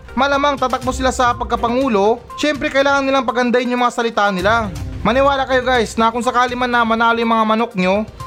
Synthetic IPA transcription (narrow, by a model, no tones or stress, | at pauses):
mɐlɐmaŋt̪aːt̪ɐk̚bosɪlasɐpɐɡ̚kɐpɐŋuːlo̞ | ʃɛmpɾɛkɐʔɪlaːŋɐnɪlaŋpɐɡɐnd̪ajɪnjʊŋmɐŋasɐlɪt̪aʔnɪlamɐnɪwaːlakɐjo̞ɡajsnɐkʊŋs̬ɐkaːlɪmanɐmɐnaːlojʊŋmɐŋamɐnok̚ɲo̞